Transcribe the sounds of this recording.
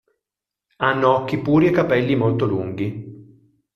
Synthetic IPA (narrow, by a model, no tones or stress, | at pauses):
anːoɔkːipuːɾiekːapɛlːimolt̪oluŋɡi